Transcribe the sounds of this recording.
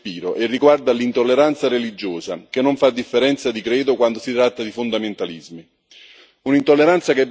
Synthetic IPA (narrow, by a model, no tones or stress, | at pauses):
piːɾoʔerːiɡward̪alint̪olːeɾant̪saɾelid͡ʒːoːzakɪnːoɱfad̪ːifːeɾɛnt̪sad̪ikɾeːd̪ʊkwand̪osit̪ɾat̪ːad̪ifond̪ament̪alizmi | unint̪olːeɾant̪sakeb